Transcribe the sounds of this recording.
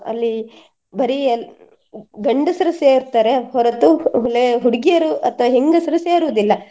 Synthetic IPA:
ɐ̰lːi | bɐɾiɐ | ɡɐɳɖɐsɐɾɐseːɾt̪aːɾe̞hɔɾɐt̪uɦuleɦuɽɡijɐɾuʔɐt̪ʰɐʋɐɦeŋɡɐsɐɾɐseːɾuʋɐd̪ilːɐ

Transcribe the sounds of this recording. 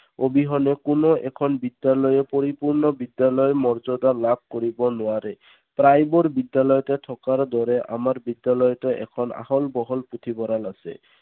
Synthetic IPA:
obiɦɔnekunoʔɛkʰɔnbid̪jalɔjepoɾipuɹnɔbid̪jalɔjmɔɹzɔd̪alab̚ʱkoɾibɔnoaɾe | pɾajboɾbid̪ːalɔjɔtet̪ʰɔkaɾd̪ɔɾeʔa̰maɾbid̪ːalɔjɔteʔɛ̰kʰɔna̰hɔlbɔɦɔlput̪ʰibɔɾalasḛ

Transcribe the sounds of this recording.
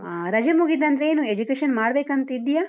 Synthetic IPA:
ɾɐd͡ʒɐmuɡid̪ːɐnd̪ɐɾeeːnuːed͡ʒukeːʃɐnmaːɽbeːkɐnt̪ɐid̪ːijaː

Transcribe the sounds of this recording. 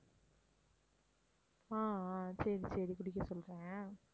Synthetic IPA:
ãːsɐɾisɐɾikʊɽɪkːɐsɔlɾẽː

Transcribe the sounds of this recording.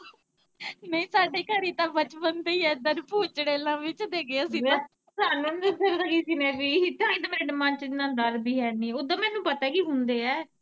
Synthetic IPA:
nɛ̃ĩːsaːɖeːkəɾeːt̪ãːbət͡ʃpənt̪eːɛːd̪əɾpuːt͡ʃɽeːlãːʋɪt͡ʃd̪eːɡeːasiːd̪ãː | saːnənd̪d̪əɾləɡiːsiːnɛːbiːt̪ãːĩːd̪amɛːɖmãːt͡ʃɪnãːd̪əɾbiːɦɛːnĩːod̪ãːmɛ̃ːnũːpət̪ɛːkiːɦʊnd̪eːɛː

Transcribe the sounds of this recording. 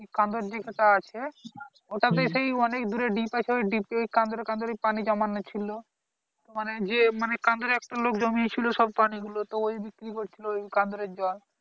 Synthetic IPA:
kikãnd̪oɾd͡ʒekʰeʈaat͡ɕʰe | oʈad̪eʃejɔnekd̪uɾeɖipat͡ʃʰeojɖipojkãnd̪oɾeɾkãnd̪oɾejpanid͡ʒamanːot͡ɕʰilo | t̪omaned͡ʑemanekand̪oɾeɛk̚ʈalokd͡ʑomit͡ɕʰiloʃɔb̚paniɡulot̪oojbikɾikoɾt͡ʃʰilookãnd̪oɾeɾd͡ʒan

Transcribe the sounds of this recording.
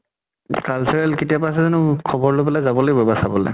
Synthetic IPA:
kalsɛɹɛlketijapas̬ɛzɔnʊkʰɔbɔɹlopɛlazabɔlojbɛbasabɔlɛ̰

